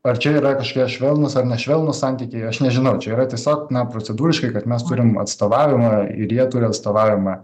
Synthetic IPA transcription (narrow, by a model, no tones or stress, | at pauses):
ɐrt͡ʃʲɛiːɾɐkɐʃkokʲiɛʃʲʋʲɛlˠnʊsɐrnʲɛʃʲʋʲɛlˠnʊsɑːnʲt̪ʲiːkʲɛɪɐʃnʲɛʒʲɪnɐʊt͡ʃʲɛiːɾɐt̪ʲiɛsʲoːknɐpɾot͡sʲɛd̪uːɾʲɪʃkɐɪkɐt̪mʲɛst̪ʊɾʲɪmɐ̰t̪st̪oːʋɑːʋʲɪmɐɪ̰ɾjiɛt̪ʊɾʲɪɐt̪st̪oːʋɑːʋʲɪmɐ